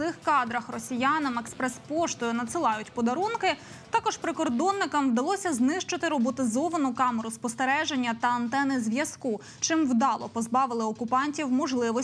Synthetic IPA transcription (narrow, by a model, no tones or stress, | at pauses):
ɪxkɑd̪ɾɐxrɔsʲijɑnɐmɛkspɾɛspɔʃt̪ɔjʊnɐt̪sɨlˠɑjʊtʲpɔd̪ɐɾunkɪ | t̪ɑkɔʃpɾɪkɔrd̪ɔnːɪkɐmwd̪ɐlˠɔsʲɐznɪʃt͡ʃɪt̪ɪɾɔbɔt̪ɪzɔʋɐnʊkɑmeɾʊspɔst̪eɾɛʒenʲːɐt̪ɐɐnt̪ɛnɪzʲʋʲjɐsku | t͡ʃɪmwd̪ɑlˠɔpɔzbɑʋɪlˠɪɔkʊpɑnʲtʲiwmɔʒlˠɪʋɔ